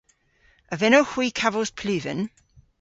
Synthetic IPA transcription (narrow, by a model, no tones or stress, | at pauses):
əvɛnowxw̥iːkʰavəspʰlʉːvə̰n